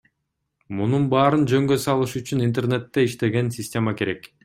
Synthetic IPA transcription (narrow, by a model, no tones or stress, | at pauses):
mununbɑːɾɯnd͡ʒø̞ŋɡø̞sɑlˠɯʃyt͡ʃynint̪erne̞t̪ːe̞iʃt̪e̞ɡe̞nsʲɪsʲtʲe̞make̞ɾe̞k